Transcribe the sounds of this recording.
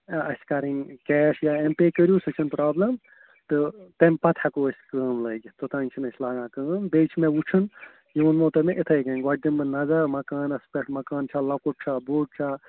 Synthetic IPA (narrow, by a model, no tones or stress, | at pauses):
ɐ̰skaɾiŋkɛːʃjaempeːkəɾjuːsɨt͡ʃʰinpɾaːblɐm | t̪ɨt̪ɐmʲpɐt̪ʰakoəsʲkəːmlɐːɡʲit̪ot̪ãːnʲt͡ʃʰinɐsʰʲlaːɡãːkɨːnbet͡ʃʰmewut͡ʃʰɨn | jiʋɐnmoːt̪ɐmẽʔit̪ʰɐːɡɐŋɡaɖimbɨnɐzɐɾmɐkaːnɐspʲeʈmɐkaːnt͡ʃʰalɐkuʈ̚t͡ʃʰaboːʈ̚t͡ʃʰa